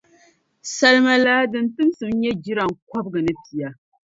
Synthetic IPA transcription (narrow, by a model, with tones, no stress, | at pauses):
sa˨lma˨laː˦dɨ˨ntɨ˦msɨ˨m˦ɲɛ˦d͡ʒi˦ɾa˨ŋkʷa˦b̚ɡɨ˨nɨ˦pi˨ja˨